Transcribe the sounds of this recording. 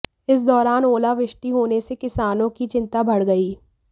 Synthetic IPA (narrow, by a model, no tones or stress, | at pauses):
ɪs̬d̪ɔːɾaːnoːlaʋɪʃʈiɦoːnesekɪsaːnõkit͡ʃɪ̃nt̪abʱɐɽɡɐiː